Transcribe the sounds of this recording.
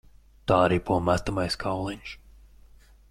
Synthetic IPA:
t̪aːaɾiːpuɔmat̪amajskʰawlˠiɲʃ

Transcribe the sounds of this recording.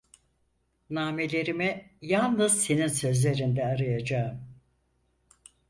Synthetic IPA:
naːmelʲe̞ɾimɛjalˠnɯz̥se̞ninsø̞zlʲe̞ɾind̪ɛaɾajad͡ʒaːɯm

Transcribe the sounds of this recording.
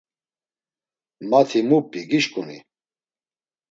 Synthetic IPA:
mat̪ʰimupʼiɡiʃkʼunḭ

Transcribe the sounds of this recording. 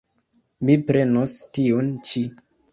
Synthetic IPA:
mipɾenostiont͡ʃi

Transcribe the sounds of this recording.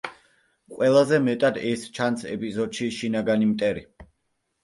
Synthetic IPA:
qʼwɛlˠazɛmɛt̪ʼad̪ɛst͡ʃʰansɛ̰pʼizɔd̪ʃiʃinaɡanimt̪ʼɛɾi

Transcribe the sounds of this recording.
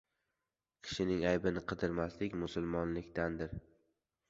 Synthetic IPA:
kʲʰɪ̥ʃɪnɪŋajbɪnɪqʰɨd̪ɪɾmaslɪkʲmʊsʊlˠmɒnlɪkʲt̪and̪ɪɾ

